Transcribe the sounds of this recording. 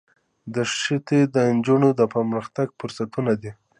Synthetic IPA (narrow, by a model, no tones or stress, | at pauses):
d̪əʂit̪ed̪ənd͡ʒunod̪əpəməxt̪aɡfʊɾsat̪unad̪i